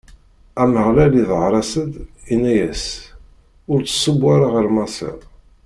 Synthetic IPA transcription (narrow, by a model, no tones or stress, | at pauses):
æməʁlæliðʕɾˤɑsəd̪inæjæs | ʊɾt͡sːə̥sˤːəbaɾaʁəɾmɑsḭʁ